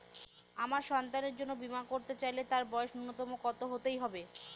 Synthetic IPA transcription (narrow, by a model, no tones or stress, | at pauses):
amaɾʃɔnt̪aneɾd͡ʑonːobimankoɾt̪et͡ɕajlet̪aɾbɔeoʃunːot̪ɔmokɔt̪oɦot̪ejɦɔbe